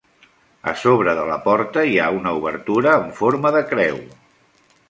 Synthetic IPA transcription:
ə̰soβ̞ɾəðələpɔɾt̪əiaunəuβəɾt̪uɾəːɱfoɾməðəkɾɛw

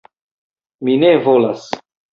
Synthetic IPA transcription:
minevolas

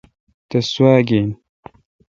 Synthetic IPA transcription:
t̪ɐswaːɡeːn

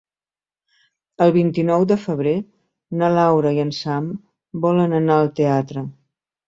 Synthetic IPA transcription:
əlˠβint̪inɔwd̪əfəβ̞ɾe | nəlawɾəiənsam | bɔlənənaəlˠt̪eat̪ɾə

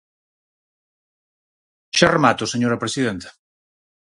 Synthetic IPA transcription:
ʃaremat̪oseɲoɾɐpɾesiðent̪ḁ

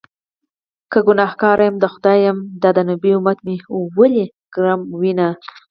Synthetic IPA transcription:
kəɡʊnɑhkɑɾʔajamd̪əxʊd̪ɑjamd̪ɑd̪ənubiumat̪mewəle | ɡ̥ɾɑmwina

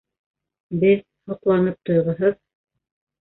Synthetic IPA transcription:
bɘð | hŏqlˠɑnɤp̚t̪ŏjʁɤ̆ɦɤð

